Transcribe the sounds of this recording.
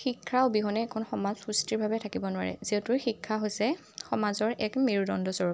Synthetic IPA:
xikʰːaʊbiɦɔnɛːkʰɔnxɔmazxustiɹbʱabɛtʰakibɔnʊwa̰ɹɛ̰ziɛtʊɹxikʰːaɦojsɛ | xɔmazɔɹʔɛkmiɹudɔndɔsɔɹɔ

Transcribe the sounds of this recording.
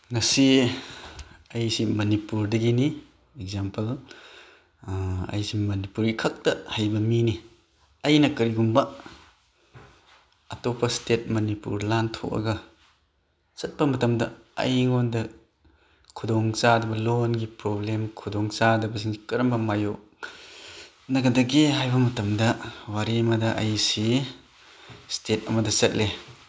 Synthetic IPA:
ŋɐsi | ɐjsimɐnipuɾdɐɡini | eɡ̚zampɐl | ɐ̰jsimɐnipuɾikʰɐk̚tɐhajbɐmini | ɐjnɐkɐɾiɡumbɐ | ɐtopɐstet̚mɐnipṵɾlantʰo̰kɐ̰ɡɐ | sɐt̚pɐmɐtɐmdɐɐ̰jŋɔndɐ | kʰudɔŋt͡ʃadɐbɐlonɡipɾɔblemkʰudɔŋt͡sadɐbɐsiŋkɐɾɐmbɐmajo | nɐɡɐdɐɡeɦajbɐmɐtɐmdɐwaɾimadɐʔɐjsi | stet̚ɐmɐdɐsɐt̚le

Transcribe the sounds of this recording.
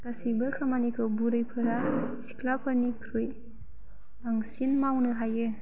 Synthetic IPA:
kasibɯkʰamanikʰɯbuɾɯjpʰɯɾaisi̥klapʰɯɾnikʰɾɯj | baŋsinmawnɯɦajɯ

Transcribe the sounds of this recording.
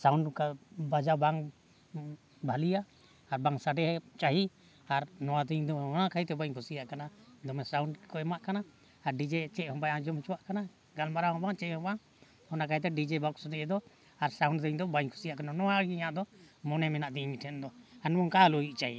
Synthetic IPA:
sauɳɖkabad͡ʒabaŋ | bʱalijaː | ɾbaŋsaɖɛɦɛt͡ʃaɦi | aɾnɔ̃wat̪əɲd̪ɔɔnakʰaɦit̪ɛbaɲkʰusijaʔkanad̪ɔmɛsawɳɖkɔɛmaʔkana | aɾɖid͡ʒɛt͡ʃɛʔhɔ̃baãd͡ʒɔmt͡ʃɔwaʔkana | ɡalmaɾaɦɔ̃baŋt͡ʃɛʔhɔ̃ba | hɔnakait̪̬ɛɖid͡ʒɛbɔksd̪iɛd̪ɔ | aɾsawnɖd̪əɲd̪ɔbaɲkʰu̥sijaʔkananɔaɡiɲãʔd̪ɔmɔnɛmɛnaʔd̪imiʈʰɛnd̪ɔanɔmɔŋkaloiʔt͡ʃaɦi

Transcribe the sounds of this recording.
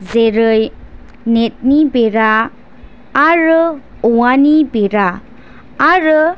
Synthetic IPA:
zeɾɯj | net̚nibeɾaː | ɾɯ | uwanibeɾaː | ɾɯ

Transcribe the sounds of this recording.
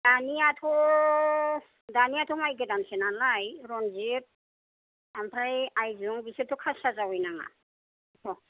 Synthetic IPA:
daniatʰɔ | danijatʰɔmajɡedansenanlajɾɔnzit̚ | ampʰajajzuŋbisetʰːɔkʰasazawɔjnaŋa̰ | tʰɔ

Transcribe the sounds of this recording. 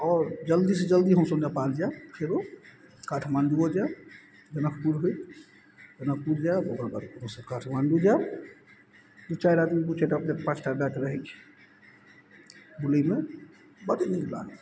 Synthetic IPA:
ɔːɾd͡ʒəld̪ised͡ʒəld̪iɦə̃w̃sonepald͡ʒapʰeɾo | kaʈʰmanɖuod͡ʒa | d͡ʒənəkʰpuɾɦuj | d͡ʒənək̚ʰpuɾd͡ʒaoɡɾabəɾkuɾõsəkaʈʰmanɖud͡ʒa | t̪ut͡ʃajɾad̪mibut͡ʃeʈapd͡ʒepat͡ʃʰʈabakɾəɦɛt͡ʃʰi̥ | buləme | bədnikla̰

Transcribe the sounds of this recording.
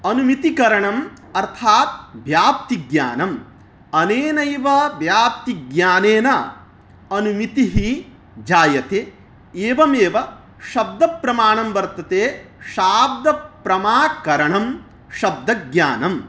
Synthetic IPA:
ɐnumit̪ikɐɾɐɳɐm | ɐɾt̪ʰaːt̪̚ʋjaːpt̪iɡja̰ːnɐm | ɐneːnɐjʋɐʋjaːp̚t̪iɡjaːneːnɐ | ɐnumit̪iɦi | d͡ʒaːjɐt̪eː | eːʋɐmeːʋɐ | ʃɐb̚d̪ɐpɾɐmaːɳɐmʋɐɾt̪ɐt̪eːʃaːb̚d̪ɐpɾɐmaːkɐɾɐɳɐm | ʃɐb̚d̪ɐɡjaːnɐm

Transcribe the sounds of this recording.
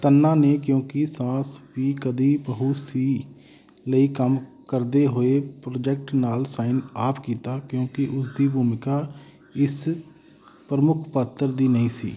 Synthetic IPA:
t̪ənːãːneːkjõːkɪsãːsʋiːkəd̪iːpəɦuːsiː | ləiːkəm | kəɾd̪eːɦoːeːpɾoːd͡ʒɛːk̚ʈnaːlsaːɪnaːpkiːt̪aːkjõːkɪʔʊsd̪iːbʱuːmɪkaː | ɪs | pɾəmʊkʰpaːt̪ːəɾd̪iːnəĩːsḭː

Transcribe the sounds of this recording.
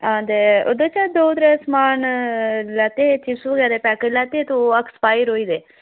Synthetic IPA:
ãːd̪eʊd̪ot͡ʃad̪oːd̪ɾesmaːnlat̪et͡ʃisuɡad̪epɛːkəlaːt̪et̪oɐkspaːjɾoːiːd̪eː

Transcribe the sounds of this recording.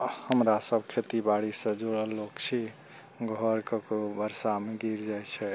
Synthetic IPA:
həmɾasəbkʰet̪ibaɽisə̃d͡ʒoɽəlːokt͡ʃʰi | ɡʱɔɾkəkobəɾsameɡiɾd͡ʒajt͡ʃʰɛ

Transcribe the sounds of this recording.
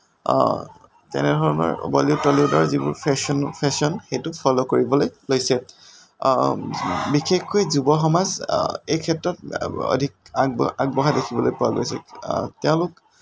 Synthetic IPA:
tɛ̰nɛdʱɔɹɔnɔ̰ɹbɔ̰liʊtɔliʊdɔɹzibṵɹpʰɛsɔnpʰɛsɔnxejtʊpʰɔlokoɹibɔlojlojsɛ | bixexkojzubɔxɔmazejkʰɛtɹɔt̚ɔ̰dʱik̚aɡaɡ̚bɔɦadekʰibɔlojpʊwaɡojsɛ̰tɛʊ̃lʊk

